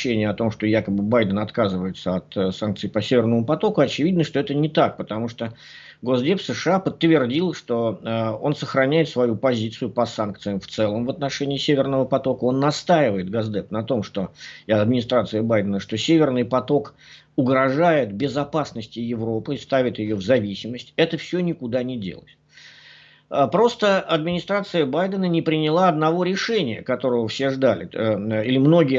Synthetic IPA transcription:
enʲɪjəɐt̪o̞mʂt̪ojakəbɨbajd̪ənɐt̪kazɨvəjɪt̪səɐt̪sank̪̚sɨjpəsʲevʲɪrnəmʊpɐt̪o̞kʊɐt͡ɕɪvʲid̪nəʂt̪oɛt̪ənʲɪt̪ak̚pət̪ɐmuʂt̪o | ɡo̞zdʲepsəʂɨapət̪ːvʲɪrdʲilˠʂt̪o̞əo̞nsəxɾɐnʲæjɪt̪svɐjupɐzʲit̪sɨjʊpəsank̚t̪sɨjəmft̪sɛlˠəmvət̪nɐʂɛnʲɪːsʲevʲɪrnəvəpɐt̪o̞kəo̞nːɐst̪ajɪvəjɪt̪ɡazd̪ɛpnɐt̪o̞mʂt̪oɐd̪mʲɪnʲɪst̪ɾat̪sɨɪbajd̪ənəʂt̪o̞sʲevʲɪrnɨjpɐt̪o̞k | ʊɡɾɐʐajɪt̪bʲɪzɐpasnəsʲtʲɪjɪvɾo̞pɨɪst̪avʲɪt̪jɪjovzɐvʲisʲɪməsʲtʲɛt̪əfsʲɵnʲɪkʊd̪anʲɪdʲḛlˠə̰sʲ | əpɾo̞st̪əɐd̪mʲɪnʲɪst̪ɾat̪sɨjəbajd̪ənənʲɪpɾʲɪnʲɪlˠaɐd̪nɐvo̞ɾʲɪʂɛnʲɪjə̰kɐt̪o̞ɾəvəfsʲe̞ʐd̪alʲɪ̰ilʲɪmno̞ɡʲɪjə

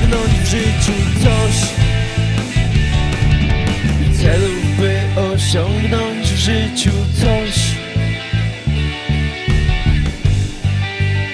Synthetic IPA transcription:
ɡnɔɲd͡ʑʐɪt͡ɕut̪sɔɕ | t̪sɛlubɘɔɕɔŋɡnɔɲd͡ʑʐɘt͡ɕut̪sɔɕ

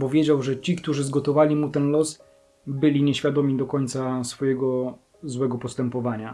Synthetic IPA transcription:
pɔvʲjed͡ʑawʐɛt͡ɕikt̪uʐɘzɡɔt̪ɔvalʲimut̪ɛnlɔs | bɘlʲiɲɛɕfʲjad̪ɔmʲid̪ɔkɔɲʲt̪sasfɔjɛɡɔ | zwɛɡɔpɔst̪ɛmpɔvaɲa

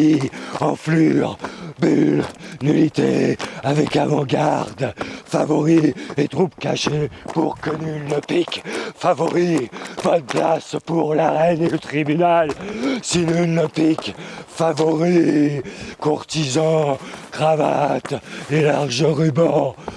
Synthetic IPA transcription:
iɑ̃flyʁbylnylit̪ḛavɛkavɑ̃ɡaʁd̪favɔʁiet̪χupka̰ʃepṵʁkənynəpikfavɔʁivɔt̪̚plaspuʁlaʁɛnelət̪χibynalsinynəpikfavɔʁi | kuʁt̪izɑ̃kχava̰t̪elaʁʒəʁybɑ̃

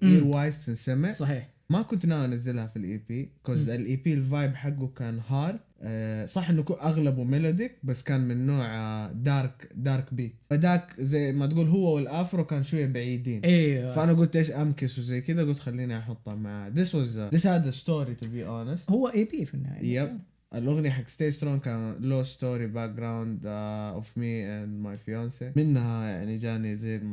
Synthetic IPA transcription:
ʔiːɾwaːjst̪ɪnsamɪʕsˤɑħiːħ | makʊnt̪naːwanazːɪlhafilʔḭːpiːkosɪlʔiːpiːlvaːjbħaɡːukaːnhɑːɾˤd̪̚sˤɑħːʔɪnːʊkʔaɣlabumɪloːd̪ɪk̚basːkaːnmɪnːoːʕd̪ɑːɾˤkd̪ɑːɾˤkbiːt̪fad̪aːkzajːmat̪ɡuːlɦʊwːawɪlʔaːfɪɾˤwkaːnʃwajːabaʕiːd̪iːniːfaʔanaɡʊlt̪ʔeːʃʔamkɪswɪzajkɪd̪aɡʊlt̪xalːiːniʔɑħʊt̪ˤːhamaʕaːd̪ɪswazd̪ɪshaːd̪ast̪oːɾit̪ʊbiːʔoːnɪst̪hʊwːaʔiːbiːfinːa̰jab | ʔalʔʊɣniħakst̪eːst̪ɾoːnkaːnloːst̪oːɾibaːk̚ɡɾawnd̪ʔɔ̰fmiːʔanmajfjoːnsimɪnhaja̰ʕnid͡ʒaːnizajːlm

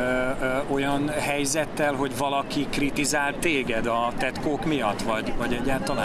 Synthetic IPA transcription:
o̞jɒnhɛjzɛtt̪ːɛlɦo̞ɟvɒlɒkikrit̪izaːlt̪eːɡɛd̪ɒt̪ɛt̪koːkmijɒt̪ːvɒɟvɒɟɛɟːaːlt̪ɒlaː

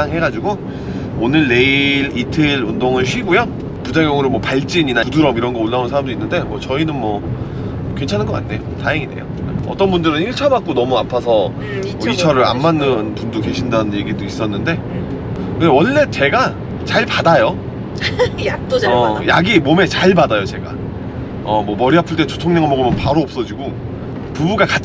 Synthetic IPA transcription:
aŋɦe̞ɡad͡ʑiɡo | onɯɭːe̞iɾitʰeiɾundoŋɯɭɕʰɥiɡojʌ | pud͡ʑaŋjʌŋɯɾomwʌpaɭt͡ɕ͈iɲinauduɾʌmiɾʌnɡʌoɭːaunsʰaɾamduinːɯnde̞mʌt͡ɕʌinɯnmwʌ | kwe̞nt͡ɕʰanɯnɡʌk͈a̰nːe̞̰jo̰taɦeŋide̞̰jo̰eʌt͈ʌnbundɯɾɯniɭt͡ɕʰʌbak͈̚onʌmuapʰasʰʌ | mʌit͡ɕʰaɾɯɾa̰nːanːɯnpundoke̞ɕʰindanɯnje̞ɡidois͈ʌnːɯnde̞ | kɯndewʌnːe̞t͡ɕe̞ɡa | t͡ɕaɭpadajo | oʌjaɡimome̞t͡ɕaɭpadajot͡ɕe̞ɡa̰ | ʌmwʌmʌɾiɦapʰɯɭt͈e̞t͡ɕo̥tʰoŋɲʌŋamʌɡomjʌnpaɾoʌp̚s͈ʌd͡ʑiɡo | pubuɡaka

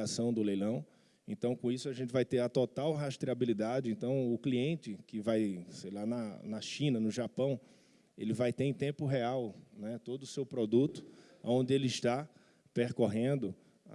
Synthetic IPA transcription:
asɐ̃w̃d̪ʊlejlɐ̃w̃ | ẽt̪ɐ̃w̃kõisʊaʒẽnt͡ʃ̪ɪvajt̪eɾɐt̪ot̪awɦaʃt̪ɾiabilid̪ad͡ʒɪẽnt̪ɐ̃w̃ʊkliẽt͡ʃɪkɪvajsejlanɐnɐʃĩnɐnʊʒapɐ̃w̃ | elɪvajt̪eẽt̪ẽmpʊɦeawnɛt̪od̪ʊːsewpɾod̪ut̪ʊ̥ | a̰õnd̪ɪelɪɪʃt̪a | peɾkoɦẽnd̪ʊ

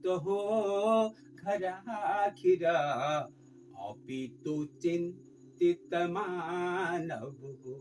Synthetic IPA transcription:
t̪oɦu | ɡʱɐɾaɦakʰiɾɐ | ɔ̰pit̪ut͡ʃin | t̪it̪manɐbu

